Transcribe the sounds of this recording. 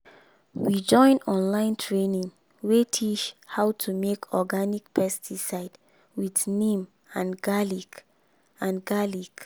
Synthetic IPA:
wid͡ʒɔ̃ɪ̃nɔ̃nlãɪ̃ntʰɹenĩŋ | wetʰit͡ʃhaʊtʰumekʰɔɡanik̚pɛstisaɪd | widnĩm | ãnɡalik | ãnɡalik

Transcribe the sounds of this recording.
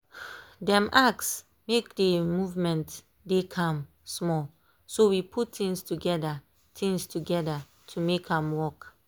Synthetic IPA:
dɛ̃mʔaks | mek̚dəmuvmɛ̃nt | dekʰãm | smɔl | sowipʰuttĩŋstuɡɛda | tĩŋstʰuɡɛda | tʰumekãmwɔk

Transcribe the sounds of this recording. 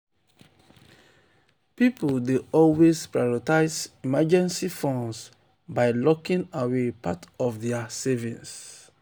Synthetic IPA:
pipoldeɔlwespɹajɹɔtaɪsimad͡ʒɛ̃nsifɔ̃ns | baɪlɔkĩŋawepatɔfðɛasɛvĩns

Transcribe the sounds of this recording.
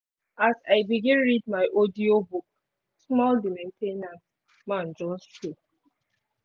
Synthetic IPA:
asaɪbiɡĩnɹid̚maɪʔɔdiobuk̚ | smɔldimẽntʰenas | mãnd͡ʒɔ̃nstu

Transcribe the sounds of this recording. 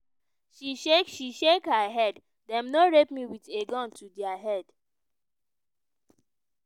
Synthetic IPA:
ʃiʃekʃiʃekhaɦɛd | dɛ̃mnoɹepmiwiteɡɔ̃ntʰudjaɦɛd̥

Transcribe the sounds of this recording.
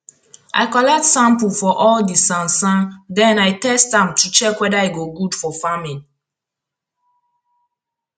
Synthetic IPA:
ʔa̰ɪkɔlɛk̚tsãmpulfɔʔɔldisãnsãndɛ̃naɪtɛstãmtut͡ʃɛkwɛdaiɡoɡudfɔfamin

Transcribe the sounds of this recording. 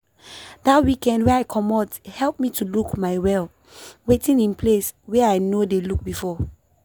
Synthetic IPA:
d̥atwikɛ̃ndwɛaɪkʰɔmɔthɛlp̚mitulukmaɪwɛl | wetĩnĩnpleswɛaɪnodeluk̚bifɔ

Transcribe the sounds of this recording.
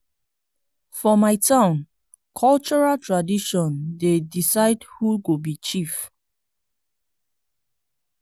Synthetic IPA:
fɔmaɪtʰãʊ̃n | kʰɔlt͡ʃɔɹaltɹadiʃɔ̃ndedisaɪdhuɡobit͡ʃif

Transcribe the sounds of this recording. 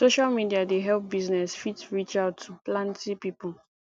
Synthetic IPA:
soʃalmidiadeɦɛlp̚biznɛsfitɹit͡ʃaʊtʰːuplãntipipul

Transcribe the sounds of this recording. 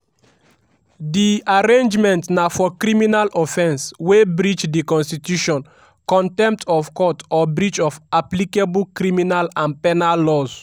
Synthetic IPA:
diaɹẽnd͡ʒmɛ̃ntnafɔkɹiminalʔɔfɛ̃nswebɹit͡ʃdikɔ̃nstitjuʃɔ̃n | kɔ̃ntɛ̃mp̚tʰɔfkɔtɔbɹit͡ʃɔvaplikeblkɹiminalãnpɛnalːɔz̥

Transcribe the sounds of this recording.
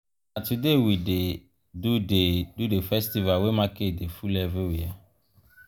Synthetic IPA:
natudewide | dudedudefɛstivawemãkedefulɛvewia

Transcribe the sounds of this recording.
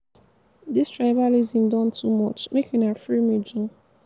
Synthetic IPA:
distɹaɪbalizĩmdɔ̃ntʰumɔt͡ʃmekĩnafɹimid͡ʒũ

